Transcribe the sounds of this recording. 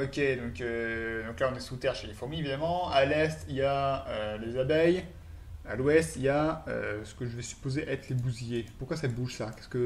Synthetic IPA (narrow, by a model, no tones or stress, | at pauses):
ɔkʲed̪ɔ̃kød̪ɔ̃klaɔ̃nɛsut̪ɛʁʃelefuʁmievid̪amɑ̃alɛst̪ijaølezabɛj | alwɛst̪ijaø̰sə̥kəʒəvɛsy̥pozeʔɛt̪χlebuzijepuʁkwasabuʒsakʲɛ̥skə